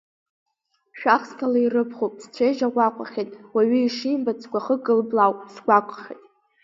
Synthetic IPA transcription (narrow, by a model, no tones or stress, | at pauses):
ʃᶣaχskʰalairɨpʰχowpʼst͡ɕʷʰeʒaʁʷaqʷʼa̰χʲetʼwaɥiiʂimbat͡sʰkʷʰaχəɡʼɨlblawpʼsɡʷakʷʰʼχʲetʼ